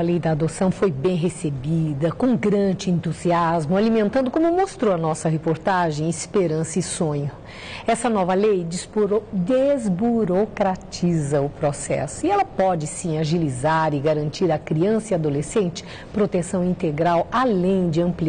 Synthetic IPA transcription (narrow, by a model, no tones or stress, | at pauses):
ɐlejd̪ɐːd̪osɐ̃w̃fojbẽj̃ɦesebid̪ɐkõɡɾɐ̃nd͡ʒɪẽnt̪uziazmʊalimẽnt̪ɐ̃nd̪ʊkõmʊmost̪ɾowɐnɔsɐɦepoɾt̪aʒẽj̃ɪspeɾɐ̃sɐɪsõɲʊ | ɛsɐnɔvɐlejsd̪ezbuɾokɾat͡ʃizɐʊpɾosɛ̰sʊɪɛlɐpɔd͡ʒɪsĩaʒilizaɾɪɡaɾɐ̃nt͡ʃiɾɐkɾiɐ̃sɐiad̪olesẽnt͡ʃɪ̥ | pɾot̪esɐ̃w̃ĩnt̪eɡɾawalẽj̃d͡ʒɪɐ̃mpli